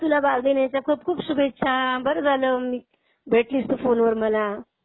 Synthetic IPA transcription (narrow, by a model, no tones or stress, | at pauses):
t̪ulabaɾd̪enjat͡ɕjakʰuːp̚kʰuːpsubʱet̪ːɕʰabəɾəd͡zʱaləmiː | bʱeʈliːsʈ̪əfonʋəɾməla